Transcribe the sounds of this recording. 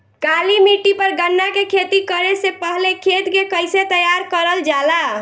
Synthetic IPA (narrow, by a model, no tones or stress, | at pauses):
kalimiʈːipəɾɡənːakekʰet̪ikəɾesepəɦlekʰet̪kekəjset̪əjaɾkəɾəld͡ʒala